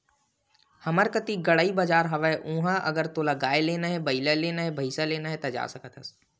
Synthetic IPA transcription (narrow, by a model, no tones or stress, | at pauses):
hɐməɾkət̪iɡɐɽaːibɐd͡ʒaːɾɦɐʋəeʔũːɦãʔɐ̰ɡəɾt̪oːlaɡaːeleːnaɦɛbɐɪlaleːnaɦɛbʱɐɪsaleːnaɦɛt̪ɐd͡ʒa̰ːsɐkət̪ʰəs